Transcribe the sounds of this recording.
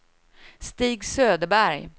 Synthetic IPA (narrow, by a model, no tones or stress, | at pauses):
st̪iːɡsøːd̪əbæɾj